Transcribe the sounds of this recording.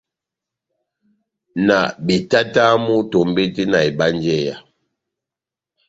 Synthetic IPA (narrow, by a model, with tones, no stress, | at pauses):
na˨bi˨ta˦ta˦mu˦to˨m˦bi˦ti˦na˨i˨ba˦n˦d͡ʒɛ˦˨ja˨